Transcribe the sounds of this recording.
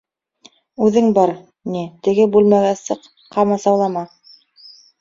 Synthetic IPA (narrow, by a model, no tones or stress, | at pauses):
ʉðɘŋbɑɾ | nit̪ɘ̆ɡɘbʉlmæɣæsɤq | qːɑmɑsɑwlˠɑmɑ